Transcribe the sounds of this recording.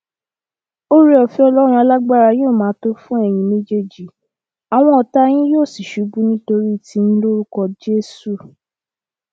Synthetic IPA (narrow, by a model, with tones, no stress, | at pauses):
o˦ɾi˦ɔ˨fi˨˧ɔ˧lɔ˦ɾ̃ɔ̃˧˦a˧la˦ɡ͡ba˦˨ɾa˧j̃o˦˨mãː˨˦to˦fũ˦ɛ˦˨j̃ĩ˧mẽ˦d͡ʒe˦˨d͡ʒi˨ | a˨w̃ɔ̃˧˦ɔ˧ta˦j̃ĩ˦joː˦˨si˨ʃu˨˦bu˦nĩ˦to˧ɾi˦˨ti˧˦n̩˦lo˦ɾu˦kɔ˧d͡ʒe˦su˦˨